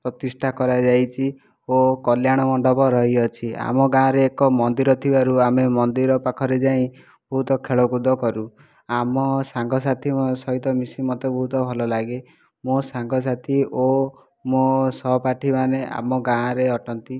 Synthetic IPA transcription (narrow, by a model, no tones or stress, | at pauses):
pɾɔt̪isʈʰakɔɾad͡ʒajt͡ʃʰi | okɔljaɽ̃ɔmɔɳɖɔpɔɾɔɦiɔt͡ʃʰia̰mɔɡãɾeːkɔmɔnd̪iɾɔt̪ʰibaɾuamemɔnd̪iɾɔpakʰɔɾed͡ʒaĩ | b̥ɔɦut̪ɔkʰeɭɔkud̪ʱɔkɔɾu | amɔsaŋɡɔs̬at̪ʰimsɔɦit̪ɔmisimɔt̪ebɔɦut̪ɔbʱɔlɔlaɡe | mosaŋɡɔs̬at̪ʰio | mosɔpaʈʰimaneʔa̰mɔɡãɾeɔʈɔnt̪i